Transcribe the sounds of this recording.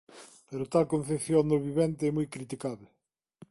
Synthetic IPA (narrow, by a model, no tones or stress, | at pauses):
peɾʊt̪alkõn̟θepθjond̪ʊβiβɛnt̪ɪɛmujkɾit̪ikaβlɪ